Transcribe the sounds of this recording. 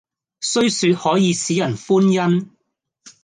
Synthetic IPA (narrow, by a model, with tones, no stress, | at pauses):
sɵ˥ɥsyː˨˧t̚hɔː˨˥jiː˨˧siː˨˥jɐ˨˩nfuː˥njɐ˥n